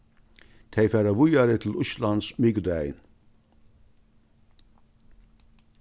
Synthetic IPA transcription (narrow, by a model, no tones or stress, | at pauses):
t̪ʰɛjfæːɾaʋʊjaɾɪt̪ʰɪl̩ʊʃlansmɪɡd̪æjn